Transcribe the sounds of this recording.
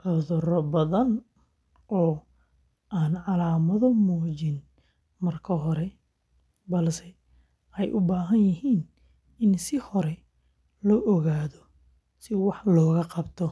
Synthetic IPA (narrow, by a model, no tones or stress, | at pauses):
ʔɔðɔɾɔbɐðɐn | ʔɔː | ʔaːnʕɑlaːmɐðɔmɔːt͡ʃɪn | mɐrkʰɐɦɔɾɛ | bɐlsɛ | ʔɛjʔʊbaːɦɐnjɪɦiːn | ɪnsɪhɔɾɛ | lɔːʔɔɣaːðɔ | sɪwɑħlɔːɣɐqɑbt̪ʰɔ